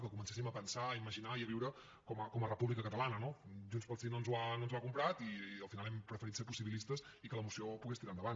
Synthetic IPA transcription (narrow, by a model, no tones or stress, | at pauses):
kəkumənsesiməpənsaːiməʒinaiəβiwɾə | kɔməkɔmərəpuβlikəkət̪əlanənoʒunspəlˠsinonzuanonzwakumpɾat̪iəlˠfinalˠɛmpɾəfəɾit̪seɾpusiβilist̪əs | ikələmusiopuɣest̪iɾand̪əβan